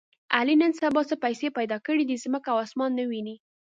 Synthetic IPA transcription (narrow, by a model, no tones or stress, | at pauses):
alinənsabɑsəpajsepajd̪ɑkəɽid̪izməkawɑsmɑnːəwini